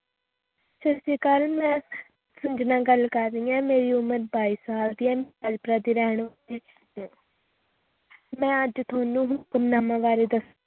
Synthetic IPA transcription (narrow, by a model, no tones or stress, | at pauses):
t͡ʃəsiːkəlmɛ̃ː | sʊnd͡ʒnãːɡəlkəɾːiːãːmeːɾiːʊməɾbaːiːsaːbd̪iːɛːməd͡ʒpɾaːd̪iːɾɛːɳ̃ʋɾĩː | mɛ̃ːəd͡ʒt̪ʰʊaːnũːɦʊkmnaːmãːʋaːɾeːd̪əs